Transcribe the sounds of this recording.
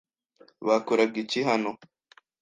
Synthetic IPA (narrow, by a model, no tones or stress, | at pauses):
βakoɾab̚ɡiciɦano